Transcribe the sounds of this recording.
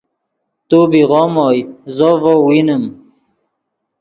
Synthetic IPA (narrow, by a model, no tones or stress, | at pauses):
t̪ubiʁɔːmɔːjzovowinəm